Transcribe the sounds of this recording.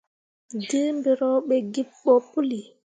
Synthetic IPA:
di˦mbiɾɔɓɛɡi˦ɓːɔpu˦li˨

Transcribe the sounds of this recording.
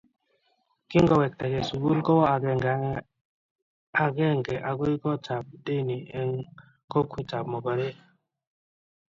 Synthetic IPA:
ki˦ŋɡɔ˦wɛ˨k̚t̪ɛ˨ɡɛ˨su˨ɡu˦lkɔ˦a˨ɡɛ˧˨ŋɡa˨˦ | a˨ɡɛ˦ŋɡɛ˨ʔa˨ɡo˦i˦kɔ˦t͡ʃa˨b̚de˦˨ni˨ɛ˨ŋ | kɔ˦kʰi˦t͡ʃa˨p̚mɔ˨ba˨ɾe˦

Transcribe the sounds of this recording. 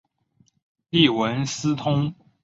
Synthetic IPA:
li˥˩wə˧˥nsɹ̩˥t̪ʰʊ˥ŋ

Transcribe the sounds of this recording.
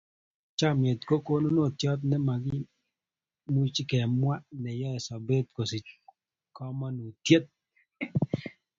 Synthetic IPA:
t͡ʃa˦mje˨t̪ko˦ko˦no˦no˦˨t̪jɔ˦t̪nɛ˦ma˨ɡɪ˦ | mu˦t͡ʃkɛ˨mwa˦nɛ˨jɔ˦ɛ˨sa˨be˦t̪ko˨si˨ | kɔ˦ma˦no˨t̪je˦t̪̚

